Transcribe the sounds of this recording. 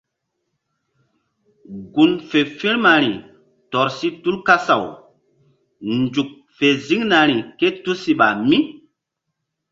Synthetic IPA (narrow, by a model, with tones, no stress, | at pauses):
ɡu˨nfe˨fĩ˦ɾma˨ɾ̃i˨ | tɔ˨ɾsi˦tu˦lka˦sa˨w | nd͡ʒu˨k̚ | fe˨zi˦ŋna˨ɾi˨ke˦tu˦si˨ɓa˨mi˦